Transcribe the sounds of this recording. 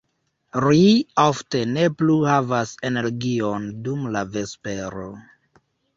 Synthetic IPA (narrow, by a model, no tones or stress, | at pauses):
ɾiafte̞ne̞pluhavase̞ne̞ɾɡio̞ndumlave̞spe̞ɾo̞